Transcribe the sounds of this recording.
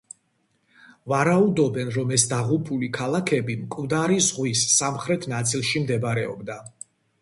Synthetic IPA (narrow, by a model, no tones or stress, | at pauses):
vaɾaud̪ɔbɛnɾɔmɛsd̪aʁupʰulikʰalˠakʰɛbimkʼvd̪aɾizʁwisːamχɾɛt̪ʰnat̪sʼilˠʃimd̪ɛbɾɛɔ̰bd̪a